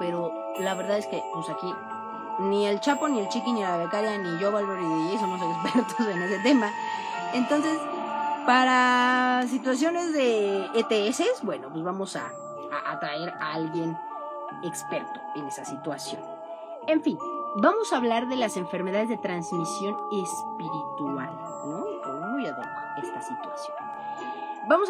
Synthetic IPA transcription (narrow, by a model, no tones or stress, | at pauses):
pe̞ɾo̞ | laβe̞ɾðaðe̞ske̞pusaki | nielt͡ʃapo̞nie̞lt͡ʃikinilaβekaɾjaniʝoβalβeɾiðeaes̬onos̬ekespeɾot̪oseneset̪e̞ma | e̞nt̪o̞nse̞spaɾas̬it̪was̬jo̞ne̞zðe̞et̪eesesbwe̞no̞pwezβamo̞sa̰ː | ʔat̪ɾaeɾaalɣje̞n | ekspeɾt̪oene̞sasit̪wasjo̞̰n | e̞ɱfinbamo̞saːβlaɾðe̞lase̞ɱfe̞ɾme̞ðaðe̞zðe̞t̪ɾanzmisjo̞nespiɾit̪ua̰l | okomujaða̰oest̪asit̪wasjon | bamos